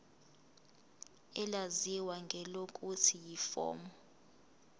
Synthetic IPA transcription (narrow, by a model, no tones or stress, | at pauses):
ɛlaziwaŋɡʱɛlokʼutʰijifɔ̰ːmɔ